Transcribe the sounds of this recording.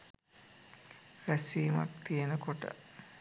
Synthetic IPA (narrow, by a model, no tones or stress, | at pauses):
ɾæsiːma̰k̚t̪ijenəkoʈə̰